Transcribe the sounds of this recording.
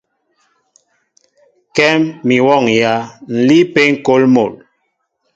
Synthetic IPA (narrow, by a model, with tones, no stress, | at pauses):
kɛ˦mːi˨wɔ˦˨ŋja˦n̩˨li˦pe˦ŋ̩˨ko˦lmo˨l